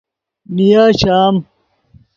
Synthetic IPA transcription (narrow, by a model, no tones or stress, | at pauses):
nijaːɕaːm